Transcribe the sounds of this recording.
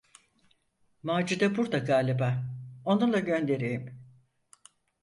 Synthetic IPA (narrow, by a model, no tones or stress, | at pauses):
maːd͡ʒid̪ɛbuɾd̪aɡaːlʲibao̞nulˠaɟø̞nd̪e̞ɾejim